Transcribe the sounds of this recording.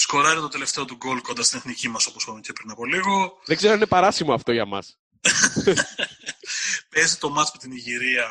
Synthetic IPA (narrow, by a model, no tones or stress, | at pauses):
sko̞ɾɐɾit̪o̞t̪e̞left̪e̞o̞t̪uɡo̞lko̞nd̪ɐst̪ineθnicimɐso̞posxoɾunʲcepɾinɐpo̞liɣo̞ðeɡzeɾoine̞pɐɾɐsimoɐft̪o̞ʝɐmɐ̰s | pe̞zit̪o̞mɐt͡spot̪iniʝiɾiɐ